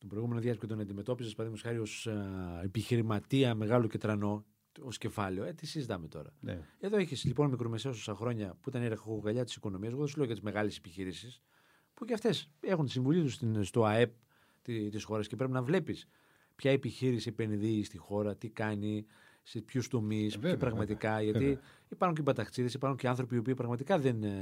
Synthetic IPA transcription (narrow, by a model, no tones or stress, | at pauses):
t̪opɾo̞jɣume̞noðjʝɐscet̪o̞nɐnd̪ime̞t̪o̞pizɐspɐðimusɐɾio̞sepiçiɾimɐt̪iɐme̞ɣɐlo̞ce̞t̪ɾɐno̞ | o̞scefɐleo̞et̪isizit̪ɐme̞t̪o̞̰ɾɐ̰e̞ðo̞eçislipo̞nmikɾo̞me̞seɐos̬osɐxɾo̞ɲɐpuit̪ɐneɾɐxoɣɐʎɐt̪i̥siko̞no̞miɐs̬eɣoðosle̞ojɐt̪izme̞ɣɐlesepiçiɾisis | puceɐft̪e̞se̞xunt̪i̥siɱvuʎit̪ust̪inst̪o̞ɐe̞p̚ | t̪it̪isxo̞ɾɐscepɾe̞pinɐvle̞pis | pçɐepiçiɾisiepe̞nðiːst̪ixo̞ɾɐt̪ikɐni | sepçust̪o̞misepɾɐɣmɐt̪ikɐʝɐt̪i | ipɐɾxunɲcebɐt̪ɐkt͡siðesipɐɾxuɲceɐnθɾo̞piːopiːpɾɐɣmɐt̪ikɐðe̞n